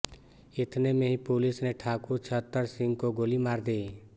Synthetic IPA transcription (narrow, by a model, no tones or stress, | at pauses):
ɪt̪ʰnemẽɦipoːlɪsneʈʰaːkut͡ʃʰət̪ːəɾsɪ̃ŋɡkoɡoːlimaːɾd̪iː